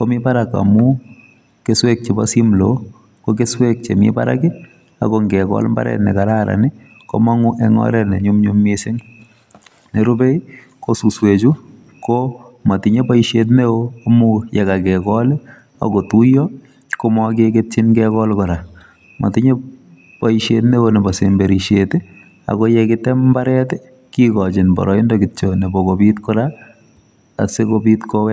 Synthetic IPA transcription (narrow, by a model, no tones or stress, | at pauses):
komɪpaɾaka̰mu | keswek̚t͡ʃebasimlo | kokeswek̚t͡ʃemɪ̰pa̰ɾa̰kɪ | a̰koŋɡɛkɔ̰lmba̰ɾɛ̰tnɛ̰kaɾaɾa̰nɪ | ko̰maŋuʔɛŋɔ̰ɾɛnɛɲʊmɲumːɪsɪŋ | neɾʊbe | kosuswet͡ʃu | komatɪɲepaiʃjet̬meoːmujɛkakɛkɔlɪ | a̰kotujɔ | komɔkeket͡ʃɪnkɛkɔlkɔɾa | ma̰tɪɲe | paiʃetnewonebɔsembeɾiʃetɪ | a̰kɔjɛkɪtɛmbaɾɛtɪ | kikɔt͡ʃɪnbɔ̰ɾɔindɔkɪt͡ʃonebɔkobitkɔɾa | a̰sekobiːtkɔwɛ